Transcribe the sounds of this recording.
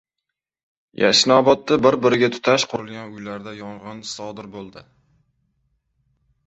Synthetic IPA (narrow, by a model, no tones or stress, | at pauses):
ja̰ʃnɒbɒt̪ːabɪɾbɪɾɪɡʲat̪ʰʊ̥t̪ʰaʃqʰoɾɪlˠɡʲanʊjlaɾd̪ajɒɴʁɨnsɒd̪ɪɾbolˠd̪ɪ